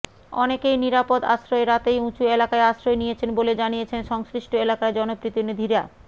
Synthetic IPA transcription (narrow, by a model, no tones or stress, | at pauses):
ɔ̰nekejniɾapod̪a̰ʃɾoeɾat̪ejũt͡ɕuelakaeaʃɾoenijet͡ɕʰenboled͡ʑanijet͡ɕʰenʃɔŋskɾiʃʈoelakaed͡ʑɔnopɾit̪inid̪ʱiɾa